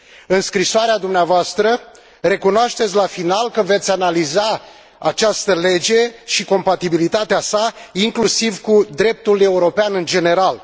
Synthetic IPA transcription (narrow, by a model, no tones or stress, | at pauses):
ɨnskɾisoaɾead̪umneavoast̪ɾə | re̞kunoaʃt̪e̞t̪sʲlafinalkəve̞t̪sʲanaliza | a̰t͡ʃast̪əle̞d͡ʒe̞ʃiko̞mpat̪ibilit̪at̪easaiŋklusivkud̪ɾe̞p̚t̪ule̞uɾo̞peanɨnd͡ʒe̞ne̞ɾal